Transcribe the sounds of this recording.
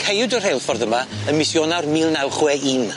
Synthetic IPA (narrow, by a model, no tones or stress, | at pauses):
kʰejdɔr̥ejlˠfɔrðəma | ənmɪsjɔnarmiːlˠnawχwɛiːn